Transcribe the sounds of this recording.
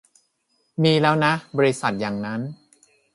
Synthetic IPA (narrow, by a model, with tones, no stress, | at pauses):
miː˧lɛː˦˥wna˦˥bɔː˧ɾi˦˥sa˨˩t̪̚jaː˨˩ŋna˦˥n